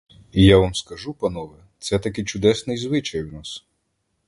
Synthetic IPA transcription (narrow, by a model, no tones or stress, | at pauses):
ijaʋamskɐʒupɐnɔʋɛt̪sɛt̪ɐkɪt͡ʃʊd̪ɛsnɪjzʋɪt͡ʃɐjwnas